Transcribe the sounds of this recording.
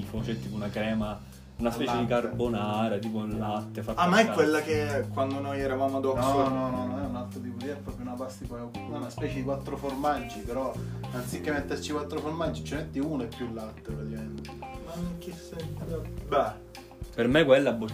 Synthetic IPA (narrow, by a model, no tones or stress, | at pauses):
fot͡ʃɛt̪ːiːpounakɾɛːma | unaspɛːt͡ʃed̪ikarbonaːɾat̪iːp̬ollːat̪ːefatamːaɛkːwelːakekwand̪onojɛɾavaːmoad̪ɔnsɔnɔnɔnɔnɛunalt̪ɾot̪iːpod̪iɛpːɾɔːpɾjounabast̪ipaɛaunaspɛːt͡ʃed̪ikwat̪ːɾoformad͡ʒːipeɾɔant̪sikːemːet̪ːert͡ʃikwat̪ːɾoformad͡ʒːit͡ʃːemet̪ːiunɛpːjulːat̪ːepɾat̪ikament̪manːoŋkisɛnt̪bɛ | permekwelːabːo